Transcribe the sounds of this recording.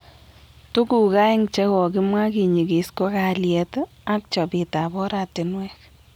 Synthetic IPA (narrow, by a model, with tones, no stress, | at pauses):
tu˦ku˨ka˦ɪ˦ŋt͡ʃɛ˦kɔ˨kɪ˦mwa˦ki˨ɲi˨ki˨sko˦ka˨ljɛ˧t | a˦k̚t͡ʃɔ˨bi˨ta˨bɔ˦ɾa˨tɪ˨nwɛ˦k